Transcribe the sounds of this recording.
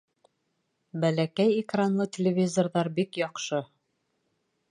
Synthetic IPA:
bælækæjikranlˠɤt̪ʲelʲɪvʲizorðɑɾbikjɒqʃɤ

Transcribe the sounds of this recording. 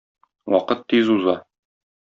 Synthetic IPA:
wɒqɤt̪ːizuzɑ

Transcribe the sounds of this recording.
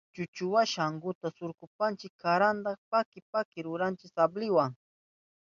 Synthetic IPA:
t͡ʃʊt͡ʃʊwaʃaŋɡʊt̪asʊɾkʊpant͡ʃɪkʰːaɾand̪ɑχpakɪpakɪɾʊɾant͡ʃɪsablɪwaŋ

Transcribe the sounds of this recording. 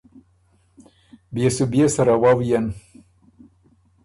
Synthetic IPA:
bjesubjesaɾawawjan

